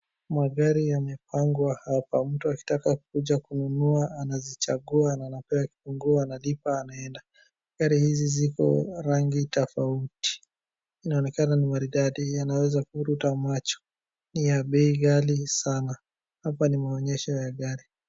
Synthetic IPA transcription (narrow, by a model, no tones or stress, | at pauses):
maɡaɾijamɛpaŋɡwahapam̩tuaki̥takak̚uʄakununuaanazit͡ʃaɡuanaːnapɛaki̥puŋɡuaːnalipaːnaɛnda | ɡaɾihizizikɔ̰ɾaŋɡitɔfauti̥ | inaɔnɛkananimaɾiɗaɗianawɛzakuɾutamat͡ʃɔ̥ | nijaɓɛiɣalisana | hapanimaɔɲɛʃɔjaɡaɾi